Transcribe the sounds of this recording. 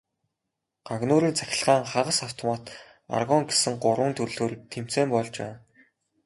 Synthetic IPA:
ɢ̥aɣnʊːɾiːnt͡sʰæxʲɪ̆ɮʁ̥aːŋχaʁə̆saw̥t̪ɔmaːt̪ | a̰rɣɔŋɡe̥sɘ̆ŋɢʊɾwʊ̆ːnt̪ʰɵrɮoːɾiːk̚t̪ʰem̥t͡seːmpɔɮt͡ɕwæ̰ːn

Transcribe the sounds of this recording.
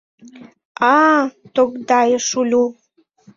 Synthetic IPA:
ɑt̪okd̪ɑjəʃulʲu

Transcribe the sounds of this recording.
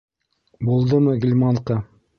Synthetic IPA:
bulˠd̪ɤmɤɡilʲmɑɴqɑ

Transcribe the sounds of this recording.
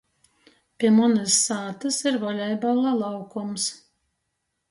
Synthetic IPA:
pʲiɛmɔnɨsːaːt̪ɨsiɾvɔlʲɛjbalˠalˠɑwkɔms

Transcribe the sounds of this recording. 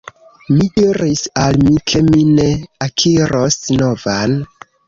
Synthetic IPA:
midiɾisalmikʰe̞mine̞akʰiɾosno̞van

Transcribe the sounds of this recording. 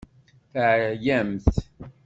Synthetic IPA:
θəʕjæmθ

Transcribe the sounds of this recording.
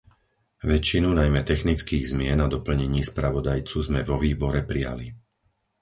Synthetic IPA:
ʋɛt͡ʃːinunajmɛt̪ɛxnit͡skiːɣzmɪɛnad̪ɔpl̩ɲɛɲɪiːspɾaʋɔd̪ajt͡suzmɛvɔʋiːbɔɾɛpɾija̰li

